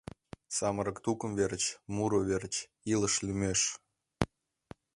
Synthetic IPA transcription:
sɑməɾə̆kt̪ukə̆mveɾət͡ɕmuɾoβeɾt͡ɕ | ilə̆ʃlʲymʲeʃ

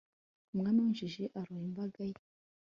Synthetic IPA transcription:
mŋaːnaunʒiʒeʔaɾojimbaɡaje

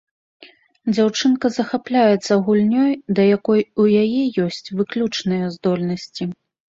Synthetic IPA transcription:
d͡zʲawt͡ʂɨnkɐzɐxaplʲajɛt̪sːɐɣulʲnʲɔjd̪ɐjakɔjujajɛjɔsʲt͡sʲvɨklʲut͡ʂnɨjɐzd̪ɔlʲnɐsʲt͡sʲi

